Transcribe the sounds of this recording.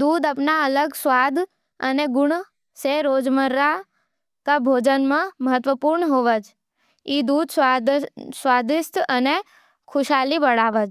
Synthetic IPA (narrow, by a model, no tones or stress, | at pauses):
d̪ud̪apnaələɡsʋad̪ʱ | ə̰neɡʊɳ | seɾod͡ʒməɾːa | kabʱod͡ʒənmãməɦət̪ʋəpuɾɳəɦoʋəd͡ʒ | id̪ud̪s | sʋad̪ɪst̪əne | kʰʊʃalibəɽaʋəd͡ʒ